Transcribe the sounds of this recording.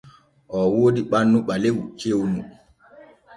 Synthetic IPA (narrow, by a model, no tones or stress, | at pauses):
ʔɔwoːdiɓanːuɓalewt͡ʃewnṵ